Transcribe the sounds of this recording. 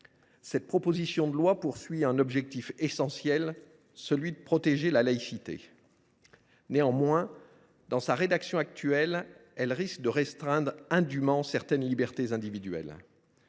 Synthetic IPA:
sɛt̪̚pχɔpozisjɔ̃d̪əlwapuʁsɥiɛ̃nɔbʒɛk̚t̪ifesɑ̃sjɛl | səlɥid̪əpχɔt̪eʒelalaisit̪ḛ | neɑ̃mwɛ̃ | d̪ɑ̃saʁed̪aksjɔ̃ak̚t̪ɥɛlɛlʁisk̚d̪əʁɛst̪χɛ̃d̪ʁɛ̃d̪ymɑ̃sɛʁt̪ɛnlibɛʁt̪ezɛ̃d̪ivid̪ɥɛ̰l

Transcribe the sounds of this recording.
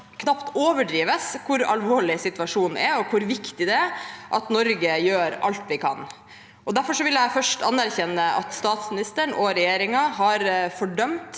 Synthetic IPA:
kʰnɑpt̪oːʋəɖɾiːʋəskʰʊɾɑ̰lʋoːɭɪsɪt̪ʉɑʂuːnʔɛɾɔkʰʊɾʋɪkt̪ɪd̪ɛʔɑt̪nɔɾɡəjøːɾɑ̰lt̪ʋɪkʰɑ̰n | ʔɔd̪æɾfɔʂɔʋɪljæɪfœʂʈɑnːæɾçɛnːəʔɑ̰t̪st̪ɑːt̪smɪnɪst̪əɳʔɔɾɛjeːɾɪŋɑɦɑɾfɔɖœmt̪

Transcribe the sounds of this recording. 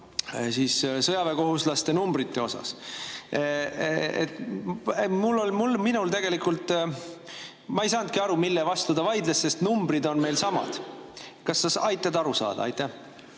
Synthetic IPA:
siːssɤjɑveko̞ɦuslɑst̪e̞numbrit̪ːe̞o̞sɑ̰s | ḛt̪ | mulːo̞lmulminult̪e̞ɡ̥e̞likult̪ˑ | mɑejsɑnd̪̚kiɑɾumilːevɑst̪ud̪̥ɑvɑjd̪lesːe̞st̪numbrid̪o̞nme̞jlsɑmɑ̰d̪̥kɑsːɑsɑjt̪ːˑɑd̪ɑɾusɑ̰ːd̪̥ɑ̰ɑ̰jt̪ːˑæh

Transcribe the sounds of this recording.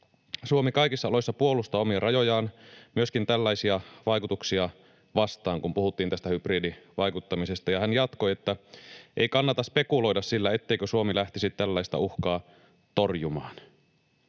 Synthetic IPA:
suomikɑikisːɑolojsːɑpuo̞lust̪oːomiɑrɑjo̞jɑːnmyø̞skint̪ælːæjsiɑʋɑjkut̪uksiɑ | ʋɑst̪ɑːŋkumpuhut̪ːiːnæst̪æhypriːdiʋɑjkut̪ːɑmise̞st̪ɑjɑhænjɑt̪ko̞jet̪ːæʔeikɑnːɑt̪ɑspe̞kulo̞idɑssilːæe̞t̪ːeikøsuomilæht̪isit̪t̪ælːæist̪ɑ̰uxkɑː | t̪o̞rjumɑːn

